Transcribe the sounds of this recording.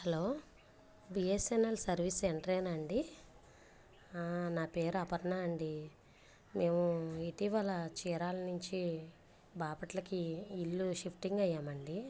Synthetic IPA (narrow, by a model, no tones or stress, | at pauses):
hɐloː | biːesenɐlsɐɾʋiseɳʈɾeːnɐɳɖi | naːpe̞ːɾɐpɐɾɐnaːɳɖi | me̞ːmuiʈiʋɐlɐt͡ʃiːɾaːlɐnuɲt͡ʃi | baːpɐʈlɐkiːlːuʃipʈiŋɡɐjːaːmɐɳɖi